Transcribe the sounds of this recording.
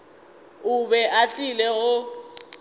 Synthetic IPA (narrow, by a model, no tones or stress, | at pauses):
ʊbɛʔat͡ɬʼilɛɣʊ